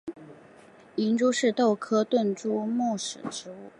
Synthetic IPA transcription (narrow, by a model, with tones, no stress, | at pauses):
i˧˥nʈ͡ʂu˥ʂɻ̩˥˧t̪o˥˩ʊkʰɤ˥t̪wə˥˩nʈ͡ʂu˥mu˥˩ʂɻ̩˨˩ʈ͡ʂɻ̩˧˥u˥˩